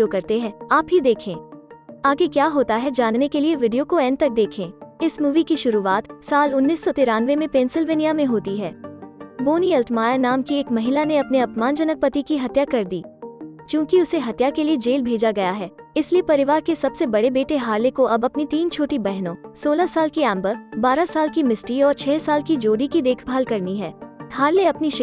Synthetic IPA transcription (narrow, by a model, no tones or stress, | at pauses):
okɐɾt̪eɦɛ̃ːaːpɦid̪eːkʰẽːaːɡekjaːɦoːt̪aɦɛd͡ʒaːnːnekelieʋɪɖijokoɛ̃ːnt̪ɐk̚d̪eːkʰẽːɪsmuːʋikiʃʊɾuaːt̪saːlʊnːiːsːɔt̪ɪɾaːnʋemẽpẽːnsɪlʋeːnijamẽɦoːt̪iɦɛːboːniɛlʈmaːjanaːmkieːkmɐɦɪlaneɐpneɐpmaːnd͡ʒɐnək̚pɐt̪ikiɦɐt̪jakɐɾd̪ḭːt͡ʃjũːkiʊseɦɐt̪jakelied͡ʒeːlbʱeːd͡ʒaɡɐjaɦɛːɪsliepɐɾɪʋaːɾkesɐbsebɐɽebeːʈeɦaːɾlekoʔɐbɐpnit̪iːnt͡ʃʰoːʈibɛɦnõːsoːlasaːlkiɛ̃ːmbəbaːɾasaːlkimɪsʈiɔːɾt͡ʃʰɛːsaːlkid͡ʒoːɽikid̪eːkʰbʱaːlkɐɾniɦɛːhaːɾleɐpniʃ